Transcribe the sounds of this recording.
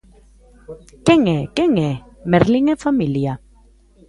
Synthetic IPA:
keŋekeŋe | meɾliŋefamilja

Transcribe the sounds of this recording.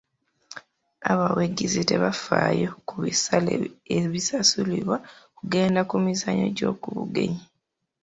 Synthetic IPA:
aβaweɡizite̞βafajokuβisaleeβisasuliβwakuɡe̞ːndakumizaɲo̞̰ɟo̞̰ːkuβuɡe̞̰ɲi

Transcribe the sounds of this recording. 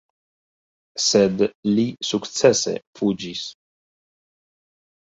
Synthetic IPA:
sed̪lisuktt͡sesḛfud͡ʒis

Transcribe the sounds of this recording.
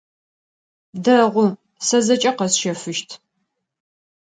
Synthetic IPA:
dɐʁʷʊ | sɐzɐt͡ʃʼɐqɐsʃɐfɨʃtʰ

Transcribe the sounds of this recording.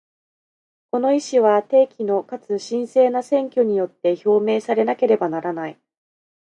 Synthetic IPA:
ko̞no̞iɕiβat̪e̞ːkʲino̞kat͡sɨɕĩɰ̃se̞ːnasẽ̞ŋkʲo̞ɲ̟ijo̞t̪ːe̞ço̞ːme̞ːsaɾe̞nake̞ɾe̞banaɾanai

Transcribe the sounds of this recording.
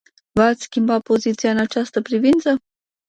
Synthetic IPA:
vat̪ʲskʲimbapo̞zit̪sijaɨnat͡ʃast̪əpɾivint̪sə

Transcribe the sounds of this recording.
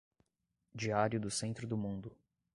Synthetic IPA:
d͡ʒiaɾjʊd̪ʊsẽnt̪ɾʊd̪ʊmũnd̪ʊ

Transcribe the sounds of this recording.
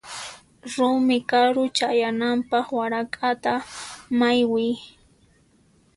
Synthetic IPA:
ɾʊmɪkaɾʊt͡ʃajanampɑχwaɾakʼat̪amajwɪj

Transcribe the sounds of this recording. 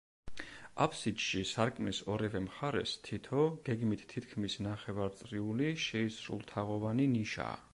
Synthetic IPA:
apʰsid̪ʃisaɾkʼmlisɔɾɛvɛmχaɾɛ̰st̪ʰit̪ʰɔɡ̥ɛɡmit̪ʰt̪ʰːit̪ʰkʰmisnaχɛvaɾt̪sʼɾiuliʃɛisɾṵlˠt̪ʰaʁɔvaniniʃa̰ː

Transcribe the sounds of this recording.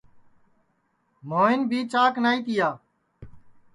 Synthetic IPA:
moːɪnbʱiːt͡ʃaːknaːiːt̪ɪjaː

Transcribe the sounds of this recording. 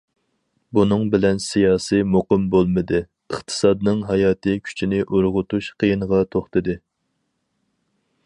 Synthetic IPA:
bunɨŋbɪlɛnsijɑːsɨjmoqɨmbolˠmɨd̪ɨ | əχt̪ʰɨ̥sɑd̪nɨŋɦɑjɑːt̪ʰɨkʲʰy̥t͡ʃʰinɪʔuɾʁʊt̪uʃqʰəjinəʁɑt̪ʰoχt̪ɨd̪ɨ

